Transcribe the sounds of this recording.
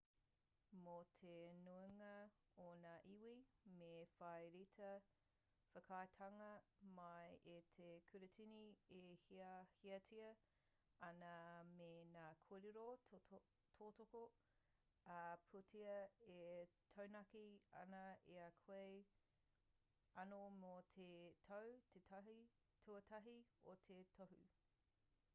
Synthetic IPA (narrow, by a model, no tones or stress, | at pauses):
motʰenueŋɐ | onaːʔiwimefɐjɾitʰɐ | fəkʰajtʰɐŋɐmɐjetʰekʰʉɾutʰiniehiɐhiɐtʰiɐ | ɐnɐmenaːkʰoɾeɾo | tʰoːtoko | ɐpʰutʰiɐetʰownɐkiɐ̰nɐeɐkʰwej | ɐnomot̪ʰetʰɐwtʰetʰɐɦi | tʰuɐtʰɐɦiotʰetʰohʉ